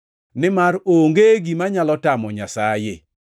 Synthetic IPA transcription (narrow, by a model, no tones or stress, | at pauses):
nɪmaɾoŋɡeɡimaɲalɔtamɔɲasajḛ